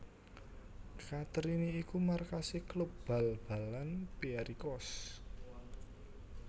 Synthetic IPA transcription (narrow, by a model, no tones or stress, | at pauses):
kat̪ɾiniikumarkasiklup̚b̥a̤lb̥a̤lanpiaɾikɔs